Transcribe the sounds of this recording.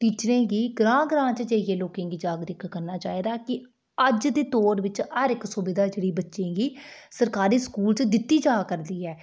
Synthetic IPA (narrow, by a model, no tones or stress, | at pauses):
ʈiːt͡ʃɾẽːɡiːɡɾãːɡɾãːt͡ʃd͡ʒeɪjeːloːkẽːɡiːd͡ʒaːɡɾɪkːəɾnaːt͡ʃaːiːd̪aːkɪ | əd͡ʒd̪eːt̪oːɾʋɪt͡ʃhəɾɪksʊbɪd̪aːd͡ʒeːɽiːbətːʃẽːɡiːsəɾkaːɾiːskuːlt͡ʃd̪ɪt̪ːiːd͡ʒaːkəɾd̪iːɦɛː